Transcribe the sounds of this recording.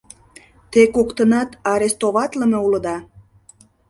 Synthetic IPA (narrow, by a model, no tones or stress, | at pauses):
t̪ekokt̪ənɑt̪ɑɾest̪oβɑt̪ləme̽ulə̆d̪ɑ